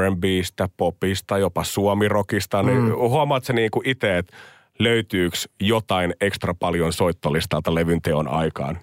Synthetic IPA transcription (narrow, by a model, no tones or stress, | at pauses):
embiːst̪æpopist̪ɑjopɑsuomirokist̪ɑnihuɑmɑːt̪seniːŋkuʔit̪eet̪ | løyt̪yːksjot̪ɑinekst̪rɑpɑljonsoit̪ːolist̪ɑlt̪ɑleʋynt̪eonʔɑ̰ikɑ̰ːn